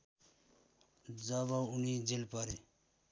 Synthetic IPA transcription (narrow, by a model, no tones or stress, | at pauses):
d͡zʌbʌunid͡zilpʌɾe